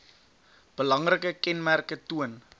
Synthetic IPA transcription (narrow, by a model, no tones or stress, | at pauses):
b̥əlɐŋrəkəkɛnmærkətuən